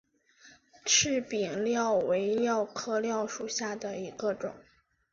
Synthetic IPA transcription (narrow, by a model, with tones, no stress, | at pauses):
ʈ͡ʂʰɻ̩˥˩pi˨˩nljɑ˥˩ʊwe˧˥ɪljɑ˥˧ʊkʰɤ˥˧ljɑ˥˩ʊʂu˨˩ɕja˥˩d̪ə˩i˧˥ɡə˧ʈ͡ʂʊ̰˨˩˦ŋ